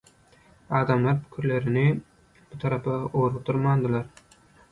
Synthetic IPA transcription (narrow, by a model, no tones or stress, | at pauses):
ɑːd̪amlaɾpʊ̥kʲʰʊɾlaɾɪnɪ | bʊt̪ʰaɾapaoɾut̪ʰʊɾmand̪ɪlaɾ